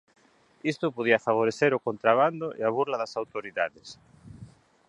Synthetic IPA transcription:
ist̪ʊpoð̞iafaβ̞oɾeθeɾʊkont̪ɾaβand̪ʊʔḛaβuɾlaðasawt̪oɾiðaðes

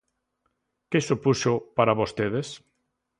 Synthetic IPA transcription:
kɪsupuʃopaɾaβost̪eðes

